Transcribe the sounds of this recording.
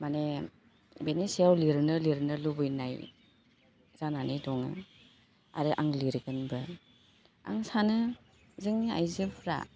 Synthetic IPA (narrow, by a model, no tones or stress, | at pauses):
mane | benesiawliɾnɯliɾnɯlubɯjnaj | z̥ananɯjdɔŋɯ̰ | a̰ɾɯʔaŋliɾɡɯnbɯ | a̰ŋsanɯ | zɯŋnia̰jzɯpʰɾa̰